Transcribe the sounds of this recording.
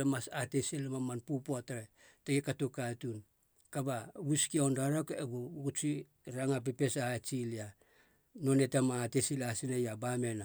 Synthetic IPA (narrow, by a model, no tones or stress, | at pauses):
emasatesilmamanpupoataɾe | teɡikatukatun | kabaɡuskiondaɾokeɡuɡut͡ʃi | ɾaŋap̬epe̞sat͡ʃilia | no̞ne̞tamaːtesilasinajabame̞na